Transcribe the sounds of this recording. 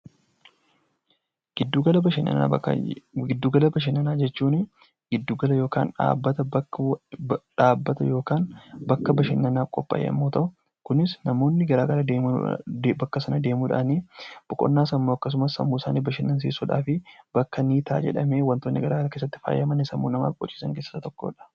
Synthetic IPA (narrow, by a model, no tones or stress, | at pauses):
ɪd̪uɡɐlɐɪn̰ | ɡɪd̪ːuːɡɐlɐbɐʃ̬ɪnːɐnaːd͡ʒɛt͡ʃːuːnɪ | ɡɪd̪ːuːɡɐlɐjo̞ːka̰ːnᶑa̰ːbːɐt̪ɐb | ᶑaːbːɐt̪ɐjo̞ːkaːnbɐkːɐbɐʃɪnːɐnaːkʼɔpʼːa̰ːʔḛɐ̰mːo̞ːt̪ɐʔʊ | kʊnɪsnɐmo̞ːnːɪɡɐɾaːɡɐlɐd̪eːm̰ | bɐkːɐsɐnɐd̪eːmuːᶑa̰ːniːb̥ʊkʼɔ̰nːaːsɐmːoːɐkːɐs̬ʊmɐsɐ̰mːuːɪsaːniːbɐʃɪnːɐns̬ḭːsʊᶑa̰ːfɪb̥ɐkːɐniːt̪ʰa̰ːd͡ʒɛ̰ᶑɐ̰meːwɐnt̪oːnːɪɡɐɾaːɡɐlɐkeːsːɐt̪ːɪ̥fa̰ːjːɐmɐnɪsɐmːṵːnɐma̰ːfkʼɔ̰t͡ʃʼːi̥ːsɐŋkeːsːɐ̥sɐt̪ɔkːo̰ːᶑɐ̥